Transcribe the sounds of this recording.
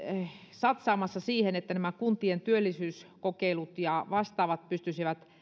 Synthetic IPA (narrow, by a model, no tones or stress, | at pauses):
sɑt̪sɑːmɑsːɑsiːhenet̪ːænæmækunt̪ient̪yølːisyːskokeilut̪jɑʋɑst̪ɑːʋɑt̪̚pyst̪ysiʋæt̪